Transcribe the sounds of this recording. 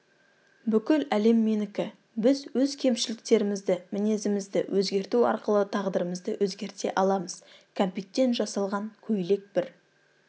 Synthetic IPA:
bʏkʲɪlæle̞mːenɪkʲɪ | bɪzwɵzkʲʰe̞mʃɪlɪk̚t̪e̞ɾɪmɪzd̪ɪmɪne̞zɪmɪzd̪ɪwʔɵzɡʲe̞ɾt̪uɑ̰ɾqəlˠət̪ʰɑʁd̪əɾəməzd̪əwʔɵzɡʲe̞ɾt̪e̞̰ʔɑlˠɑməz̥kʰompit̪ʲːe̞nt̪ʒɑsɑlˠʁɑŋkʲʰɵjle̞k̚bɪɾ

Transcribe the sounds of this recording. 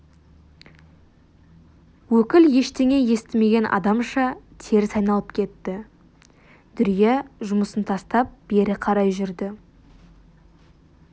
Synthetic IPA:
wɵkʲɪlje̞ʃt̪e̞ŋe̞je̞st̪ɪme̞ɡʲe̞nʔɑ̰d̪ɑmʃɑt̪ʰe̞ɾɪsɑjnɑlˠəpkʲʰe̞t̪ːɪ | d̪̥ʏɾijeʒʊməsənt̪ʰɑst̪ɑp̚b̥e̞ɾɪqʰɑɾɑjʒʏɾd̪ɪ

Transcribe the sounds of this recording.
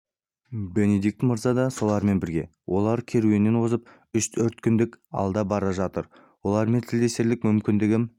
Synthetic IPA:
be̞ned̪ik̚t̪mʊɾzɑd̪ɑso̞lˠɑɾme̞nbɪɾɡʲe̞wʔo̞lˠɑɾkʲʰe̞ɾuɪnːe̞nwo̞zəp | ʏʃt̪ʰɵɾt̪kʲʰʏnd̪ɪkɑ̰lˠd̪ɑbɑɾɑʒɑt̪əɾ | wo̞lˠɑɾme̞nt̪ʰɪld̪e̞st̪e̞ɾlɪk̚mʏmkʲɪnd̪ɪɡʲɪm

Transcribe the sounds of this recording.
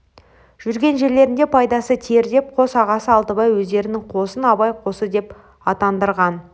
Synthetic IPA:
ʒ̥ʏɾɡʲe̞nʒe̞ɾle̞ɾɪnd̪epʰɑjd̪ɑsət̪ʰe̞ɾd̪e̞p̚qʰo̞sɑʁɑsəɑlˠt̪əbɑjwɵzd̪e̞ɾɪnɪŋqʰo̞sənɑbɑjqʰo̞səd̪e̞p | ɑt̪ɑnd̪əɾʁɑn

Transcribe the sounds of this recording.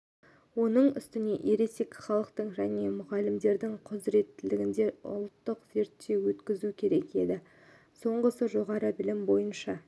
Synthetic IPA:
wo̞nəɴʏ̰st̪ɪne̞ʔe̞ɾe̞se̞kʲɪ̥χɑlˠəqt̪əɴʒæne̞mʊʁɑlɪmd̪e̞ɾd̪ɪŋqʰʊzɾe̞t̪ːɪlɪɡʲɪnd̪e̞ʊ̰lˠt̪ːəqz̥e̞ɾt̪ːe̞wɵt̪kʲɪzukʲʰe̞ɾe̞ke̞̰d̪ɪ | so̞ɴʁəsəʒo̞ʁɑɾəbɪlɪmbo̞jənʃɑ

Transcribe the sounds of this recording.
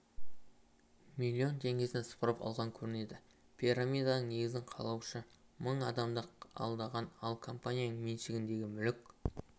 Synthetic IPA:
milʲːio̞nt̪ʰe̞ŋɡʲe̞sɪnspɾɑpɑ̰lˠʁɑŋkʲʰɵɾɪne̞d̪ɪ | pʰʲiɾamʲijd̪anəɴne̞ɡʲɪzɪɴqʰɑ̰lˠɑwʃəməɴɑd̪ɑmd̪əqɑ̰lˠd̪ɑʁɑnɑlˠkʰo̞mpanʲijanəɴmenʃɪɡʲɪnd̪e̞ɡʲɪmʏlɪk̚ʲ

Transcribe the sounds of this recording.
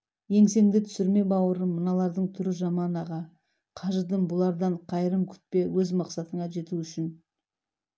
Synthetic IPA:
je̞ŋse̞ŋd̪ɪt̪ʰʏ̥sɪɾme̞bɑwəɾəmːənɑlˠɑɾd̪əɴt̪ʰʏɾɪʒɑmɑnɑʁɑ | qʰɑʒəd̪əmbʊlˠɑɾd̪ɑɴqʰɑjɾəmkʲʰʏ̥t̪̚pe̞wɵzmɑqsɑt̪əɴɑʒe̞t̪uʏʃɪn

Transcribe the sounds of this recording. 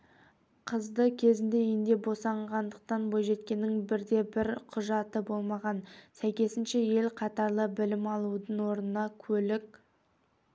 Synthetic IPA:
qʰəzd̪əkʲʰe̞zɪnd̪e̞end̪e̞bo̞sɑɴʁɑnd̪əq̚t̪ɑnbojʒe̞t̪̚kʲe̞nːɪŋbɪɾd̪e̞bɪɾqʰʊʒɑt̪əbo̞lˠmɑʁɑnsæjkʲe̞sɪnʃe̞je̞lqʰɑt̪ɑɾlˠəbɪlɪmɑlˠud̪əɴwo̞ɾnənɑkʲʰɵlɪk̚ʲ

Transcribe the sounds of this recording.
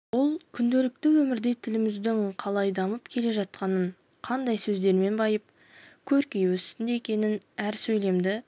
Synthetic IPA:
wo̞lˠkʲʰʏnd̪e̞lɪk̚t̪ɪwɵmɪɾd̪e̞jt̪ʰɪlɪmɪzd̪ɪŋqʰɑlˠɑjd̪ɑməpkʲʰe̞le̞ʒɑt̪̚qɑnəɴ | qʰɑnd̪ɑjsɵzd̪e̞ɾme̞nbɑjəp̚ | kʲʰɵɾkʲejwɵst̪ɪnd̪eekʲe̞nɪnæɾsɵjle̞md̪ɪ

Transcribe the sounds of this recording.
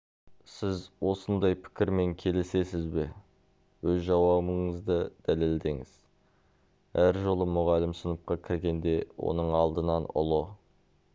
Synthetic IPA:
sɪzwo̞sənd̪ɑjpʰɪ̥kʲɪɾme̞ŋkʲʰe̞lɪse̞sɪzbe̞ | wɵzʒɑwɑbəɴəzd̪əd̪̥æle̞ld̪e̞ŋɪ̰z̥ | æɾʒo̞lˠəmʊʁɑlɪmsənəp̚qɑkʲʰɪɾɡʲe̞nd̪e̞wo̞̰nəɴɑlˠd̪ənɑnʊ̰lˠə

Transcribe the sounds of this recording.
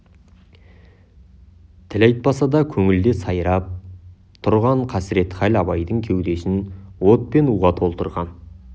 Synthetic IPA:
t̪ʰɪlɑjt̪̚pɑsɑd̪ɑkʲʰɵŋɪld̪e̞sɑjɾɑp̚ | t̪ʰʊɾʁɑɴqʰɑsɾe̞t̪χælɑbɑjd̪əɴkʲʰewd̪e̞sɪnwo̞t̪̚pe̞nuʁɑt̪ʰo̞lˠt̪əɾʁɑn

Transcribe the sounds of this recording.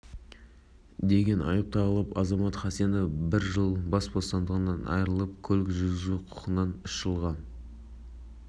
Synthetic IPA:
d̪e̞ɡʲe̞nɑ̰jəp̚t̪ʰɑʁəlˠəpɑzɑmɑt̪χɑsienəbɪɾʒəlˠbɑsbo̞st̪ɑnd̪əʁənɑnɑ̰jɾəlˠəp̚kʲʰɵlɪkʒʏzɡʲɪzɡuqʰʊ̥qənːɑnʏʃʒ̥əlˠʁɑ

